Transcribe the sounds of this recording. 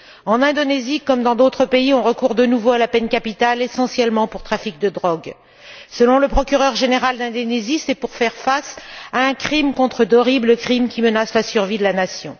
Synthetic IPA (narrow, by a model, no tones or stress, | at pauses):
ɑ̃nɛ̃d̪ɔnezikɔmd̪ɑ̃d̪ot̪χəpeiɔ̃ʁəkuʁd̪ənuvoalapɛnkapit̪alesɑ̃sjɛlmɑ̃puʁt̪χafik̚d̪əd̪ʁɔɡ | səlɔ̃ləpχɔkʲyʁœʁʒeneʁald̪ɛ̃d̪onezisɛpuʁfɛʁfasaɛ̃kχimkɔ̃t̪χəd̪ɔʁibləkχimkʲimənaslasyʁvid̪əlanasjɔ̰̃